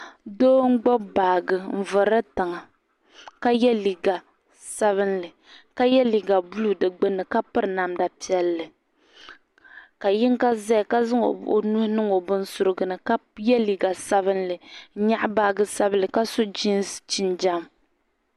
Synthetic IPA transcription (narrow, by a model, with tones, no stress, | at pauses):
doː˦ŋ̩˦ɡ͡bɔ˦baː˨ɡɨ˨m̩˨vɨ˨ɾɨ˦ta˨ŋa˨ | ka˦jɛ˦li˨ɡa˨ | sa˦βɨ˦nlɨ˨ | ka˦jɛ˦li˨ɡa˨bu˦lu˦dɨ˨ɡ͡bɨ˦nːɨ˨ka˦pɨ˦ɾɨ˨na˨mda˨pi˦ɛ˦lːɨ˨ | ka˨jɪ˦ŋka˦za˦jka˦zɨ˦ŋo̰˨o̰˨nu˦hnɨ˦ŋo˨bʊ˦n˦sʊ˨˦ɾɨ˦ɡɨ˨nɨ˨ka˦jɛ˦li˨ɡa˨sa˦βɨ˦nlɨ˨˦ɲa˦ʔbaː˦˨ɡɨ˦sa˦blɨ˨ka˦sʊ˦d͡ʒi˦n˦st͡ʃi˦nd͡ʒa˦m